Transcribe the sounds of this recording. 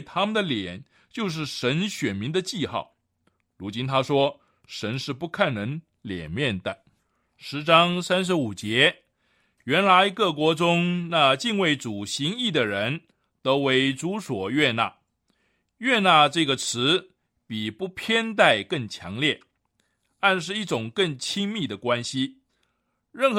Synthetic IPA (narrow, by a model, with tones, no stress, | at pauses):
t̪ʰa˥mə˨nd̪ə˩ljɛ˨˩˦n | t͡ɕjo˥˧ʊʂ̬ɻ̩˥˩ʂə˧˥nɕɥɛ˨˩nmi˧˥ŋd̪ə˧t͡ɕi˥˧xɑ̰˥˩ʊ | ɻu˧˥t͡ɕi˥nt̪ʰa˥ʂwɔ˥ | ʂə˧˥nʂɻ̩˥˧pu˥˧kʰa˥˩nnə˧˥ŋ | ljɛ̰˨˩nmjɛ˥˩nd̪ə˨˦ | ʂɻ̩˧˥ʈ͡ʂɑ˥ŋsa˥nʂ̬ɻ̩˧˥u˨˩t͡ɕjɛ˧˥ | ɥɛ˧˥nla˧˥ɪkɤ˥˩kwɔ˧˥ʈ͡ʂʊ˥ŋna˥˧t͡ɕi˥˧ŋwe˥˩ɪʈ͡ʂu˨˩ɕi˧˥ŋi˥˩d̪ə˩ɻə˧˥n | t̪o˥ʊwe˧˥ɪʈ͡ʂu˧˥swɔ˨˩ɥɛ˥˧na̰˥˩ | ɥɛ˥˧na˥˧ʈ͡ʂɤ˥˩ɡə˩ʈ͡ʂʰɻ̩˧˥ | pi˨˩pu˥˩pʰjɛ˥nt̪̬a˥˧ɪkə˥˩ŋt͡ɕʰjɑ̰˧˥ŋljɛ˥˩ | t̪a˥˧nʂ̬ɻ̩˥˧i˥˩ʈ͡ʂʊ˨˩ŋkə˥˩ŋt͡ɕʰi˥ŋmi˥˩d̪ə˩kwa˥nɕi˧ | ɻə˥˩nxɤ˧